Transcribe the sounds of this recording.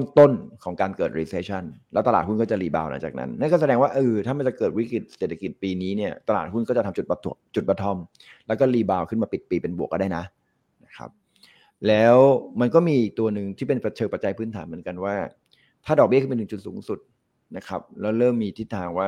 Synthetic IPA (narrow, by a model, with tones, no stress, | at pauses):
o˥˩ŋt̪o˥˩nkʰɔː˩˦ŋkaː˧nkɤː˨˩t̪̚ɾiː˦˥seː˦˧˥t͡ɕʰa˥˩nlɛː˦˥wt̪a˧laː˨˩t̪̚u˥˩nkɔ˥˩t͡ɕa˨˩liː˧baː˧wla̰˩˦ŋt͡ɕa̰ː˨˩nʔa̰˦˥nːa˥˩nkɔː˥˩s̬a˧dɛː˧ŋwaː˥˩ʔɤː˧˩t̪ʰaː˥˩ma˧nt͡ɕa˨˩kɤː˨˩t̪̚wi˦˥kɾi˨˩t̪̚seː˨t̪ʰa˧ki˨˩t̪̚piː˧niː˦˥ni˥˩ɐt̪a˧laː˨˩t̪̚hu˥˩nkɔ˥˩a˨˩t̪ʰa˧mt͡ɕu˨˩t̚ba˧t̪ʰːu˨˩t͡ɕu˨˩t̪̚ba˧t̪ʰːɔ˧˩m | lɛː˦˥wkɔː˥˩liː˧baː˧wkʰɯ˥˩maː˧pi˨˩t̪̚piː˧pe˧nbu˨˩ək̚ːɔ˥˩da˥˩jna˦˥ʔ | na˦˥kʰa̰˦˥p̚ | lɛː˦˥wma˧nkɔː˥˩miː˧ʔiː˨˩k̚t̪u˧ɐnɯ˨˩ŋt̪ʰiː˥˩pe˧npɾa˧t͡ɕʰɤː˧ŋpa˧t̪̚t͡ɕa˧jpʰɯː˦˥nt̪ʰaː˩˦nmɯ˩˦ə˦nka˧nwaː˥˩ | t̪ʰaː˥˩dɔ˨k̚bi˥˩kʰpe˧nɯ˨˧˩t͡ɕu˨˩suː˨˩˦ŋsu˨˩t̪̚ | na˦˥kʰa˦˥p̚lɛː˦˥wɾɤː˥˩mːiː˧t̪ʰi˥˩t̪ʰːaː˧ŋwaː˥˩